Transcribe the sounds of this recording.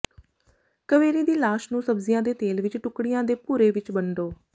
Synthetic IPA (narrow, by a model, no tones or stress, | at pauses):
kəʋeːɾiːd̪iːlaːʃnũːsəbzɪjãːd̪eːt̪eːlʋɪt͡ʃʈʊkɽijãːd̪eːpuːɾeːʋɪt͡ʃbəɳɖoː